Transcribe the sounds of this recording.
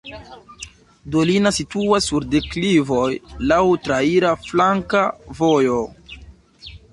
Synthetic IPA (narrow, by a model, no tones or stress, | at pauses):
dolinasituasːuɾdeklivo̞jlawtɾaiɾaflaŋkavojo